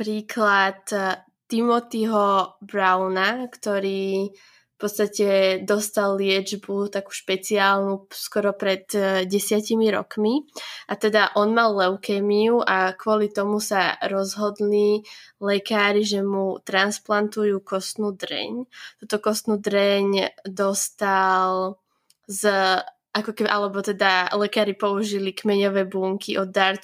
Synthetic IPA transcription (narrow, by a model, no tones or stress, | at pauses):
pɾiːkʰlat̪ː | imɔt̪iɦɔbɾaʊnakt̪ɔɾiː | fpɔt̪st̪acɛd̪ɔst̪alːɪɛd͡ʒbut̪aku̥ʃpɛt͡siaːlnuskɔɾɔpɾɛt̪ɟɛsɪacimiɾɔ̰kmiʔat̪ɛd̪aʔɔnmalːɛʊkɛːmiuʔakʊɔlit̪ɔmusaɾɔzɦɔd̪lilɛkaːɾiʒɛmut̪ɾansplant̪ujuːkɔst̪nuːd̪ɾɛ̰ɲt̪ut̪ɔkɔst̪nuːd̪ɾɛɲd̪ɔst̪al | z | ʔakɔkɛbiʔalɛbɔt̪ɛd̪alɛkaːɾipɔuʒilikmɛɲɔʋɛːbuːŋkiʔɔd̪ːaɾ